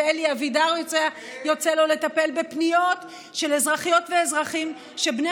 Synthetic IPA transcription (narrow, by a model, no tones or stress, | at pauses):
eliavidaʁjot͡sea | jo̞t͡selo̞le̞t̪ape̞lbepnijo̞t̪ | ʃe̞lezʁaχijo̞t̪veezʁaχim | ʃebne